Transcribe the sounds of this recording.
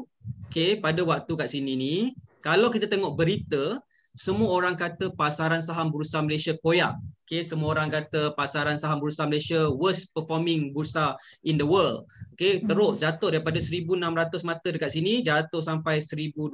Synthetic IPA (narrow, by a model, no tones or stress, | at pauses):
okepadawak̚t̪ukaʔsininikalawkit̪at̪eŋɔʔbəɾit̪ə | səmuaoɾaŋkat̪əpasaɾansaɦambəɾusaməlesiakoja̰ʔokesəmuaoɾaŋkat̪əpasaɾansaɦambəɾusaməlesiawəspəfɔmɪ̃ŋbuɾusaindəwəld̚oket̪əɾʊʔd͡ʒat̪ʊhdaɾipadasəɾibunãmɾat̪ʊsmat̪ədəkaʔ̪̚sinid͡ʒat̪ʊhsampajsəɾibu